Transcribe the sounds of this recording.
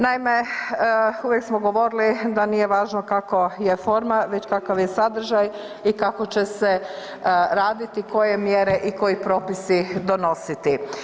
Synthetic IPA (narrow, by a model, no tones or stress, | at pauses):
naime | uʋjeksmoɡo̞ʋo̞ɾilid̪anije̞ʋaːʒnokakojefo̞ɾmaʋe̞t͡ɕkakaʋjesad̪r̩ʒaj | ikako̞t͡ɕe̞se̞ | ɾaːd̪it̪iko̞je̞mjeɾeʔiko̞jipɾo̞ːpisid̪o̞no̞sit̪i